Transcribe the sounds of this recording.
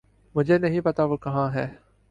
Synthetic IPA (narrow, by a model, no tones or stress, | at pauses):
mʊd͡ʒʱenɐɦĩpɐt̪aʋokɐɦãɦɛː